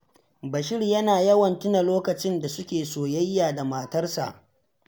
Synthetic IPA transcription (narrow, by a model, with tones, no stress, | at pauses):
bɐ˨ʃɪ˦rjɐ˦naː˨jɐ˦wɐ˨ntʊ˦na˨loː˦kɐ˨t͡ʃɪ˦nda˨sʊ˦kʲeː˨soː˨jɐ˦jːaː˨da˨maː˨tɐ˦rsa̰˨ʔ